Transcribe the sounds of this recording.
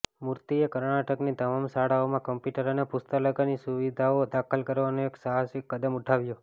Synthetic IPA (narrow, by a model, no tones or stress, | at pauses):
muɾt̪iekəɾɳ̃aʈəknit̪əmamsaɽaomãkəmpjuʈəɾənepust̪ələɡanisuʋid̪ʱaod̪akʰəlkəɾʋanõeksaɦasikːəd̪əmuʈʰaʋjo